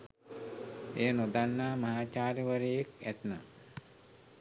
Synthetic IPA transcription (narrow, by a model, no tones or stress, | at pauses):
ejənod̪anːaːmɐɦaːt͡ʃaːɾiʋəɾejekæt̪na̰